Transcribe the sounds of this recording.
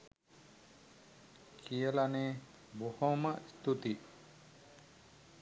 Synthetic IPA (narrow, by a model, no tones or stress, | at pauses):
kʰijəlane | bohɔmaʔst̪ut̪i